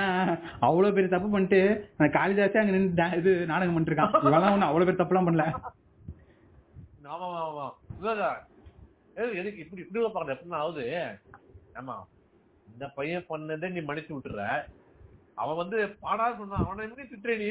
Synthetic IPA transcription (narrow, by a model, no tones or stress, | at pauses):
aː | ɐʋɐɭoːpeːɾit̪ɐp̬ːɯpɐɳːʈːɯɐnd̪ɐkaːlɪsaːseɐŋɡɐnɛnd̪ãːɪðɯnaːɽɐŋɡɐpɐnːʈɾɯkːãːʊŋɡɐɭlãːɔnːɯɐʋɐɭoːpeːɾt̪ɐpːlãːpɐɳːlɛ | aːmaːmãːmaːɪlaðaː | eɛnɯkːɯɪpːɐɽiɪpːɐɽilɐpaːkːɾɐðɐɛpːɐɽɪnãːʋɐðɯe | aːma̰ː | ɪnd̪ɐpɐjɐ̃pɐɳːɐðeːniːmɐnɪt͡ʃːɯʋɪʈːɾɯɾɛ | ɐ̰ʋɐ̃ʋɐnd̪ɯpaːɽaːɾsɔnːãːɐʋɐ̃nːãːɪpːɐnit̪ɪʈːɾeːni